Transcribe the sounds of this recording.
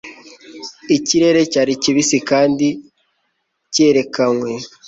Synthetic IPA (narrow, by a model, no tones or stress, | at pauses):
iciɾe̞ɾe̞caɾiciβisikaːndi | ce̞ɾe̞kaŋwe̞